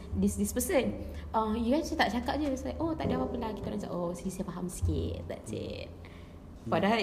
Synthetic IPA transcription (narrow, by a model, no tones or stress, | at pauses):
disdispəsənʔəjuɡasit̪aʔt͡ʃakaʔ̚d͡ʒəslajkot̪aʔdiawapənlaki̥t̪amasa̰ʔosiisafaɦamsi̥kḭt̪̚ːa̰ʔt͡ʃḛt̪̚ | fada